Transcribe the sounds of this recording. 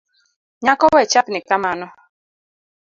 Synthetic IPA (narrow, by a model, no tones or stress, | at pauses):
ɲakɔwɛt͡ʃapnɪkamanɔ